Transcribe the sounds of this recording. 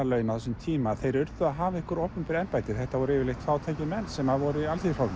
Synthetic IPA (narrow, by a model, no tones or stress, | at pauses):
alœːɥnaθsʏmt̪ʰiːmaːθejɾʏɾt̪ʏaɦavaɪhkʏɾowhpʏmpɪɾɛnpajt̪ɪ̥θɛht̪avɔɾɪːvɪlejht̪faːwt̪ʰaːjcɪmɛnːsɛmaðvɔɾʏialθifawn